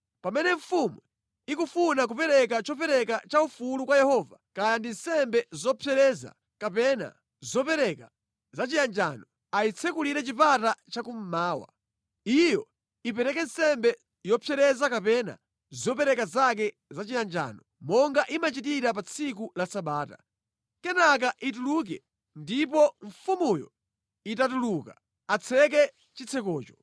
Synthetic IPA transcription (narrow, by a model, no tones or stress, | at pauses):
pamɛnɛɱ̩fumu | ikufunak̬upɛɾɛk̬at͡ʃɔp̬ɛɾɛkat͡ʃaufulukwajɛhɔːvakajandin̩sɛmbɛzɔpʰjɛɾɛza̰ | kapɛna̰ | zɔpɛɾɛka | zat͡ʃijand͡ʒaːnɔ | ait͡sʰɛkuliɾɛt͡ʃipatat͡ʃakum̩maːwa̰ | ijɔ | ipɛɾɛkɛnsɛmbɛ | jɔpʰjɛɾɛzakapɛna̰ | zɔpɛɾɛkazakɛ | zat͡ʃijand͡ʒa̰ːnɔ | mɔŋɡaʔimat͡ʃitiɾapat͡sʰikulasaɓaːta | kɛnak̬aʔituluk̬ɛ̰ | ndip̬ɔɱ̩fumujɔ̰ | itatuluːka | at͡sʰɛkɛ | t͡ʃit͡sʰɛkɔːt͡ʃɔ̥